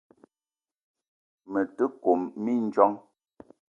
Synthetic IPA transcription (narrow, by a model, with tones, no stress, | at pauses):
mə˨tə˦ko˨mːi˦n̩˦d͡ʒɔ˦ŋ